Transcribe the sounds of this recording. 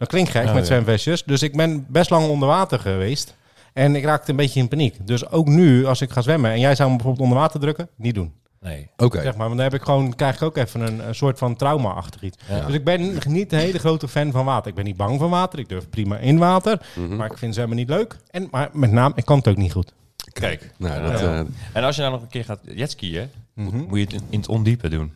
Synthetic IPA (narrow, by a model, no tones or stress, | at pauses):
d̥ɔt̚klɪŋktxɛkmɛtsʋɛmfɛsjəsdøsɪɡ̚bɪnbɛstlɑŋondərʋaːtərχəʋeːst | ɛnɪkraːk̚təənbetəɪnpanikdøsowknyɑsɪkχaːsʋɛməɛnjɛjzawəmbɛjfoːbəlˠtondəʋaːtərdrøkənit̚dun | oksɛxmaːɹʋɑndɔnɦɛpɪkχʋownkrɛjxɪ̥kowkɛfənənəsoːtfɔntrawma̰ʔɑ̰xtəχitsdøsɪɡ̚bɪnnitənɦejləxrowtəfɛnvɔnʋaːtərɪɡ̚bɛnːid̚bɑŋfɔnʋaːtərɪɡ̚døɹfprima̰ʔɪnʋaːtərmaɪkfɪnsəɛlmanitløɥkɛnmarmɛtnaːmɪkːɔnətowkniχut | kɛjkno | ɛnɔsjədɔnɔχənkɪːχaːtjɛtskiəmujətɪntɔ̰ndipədṵn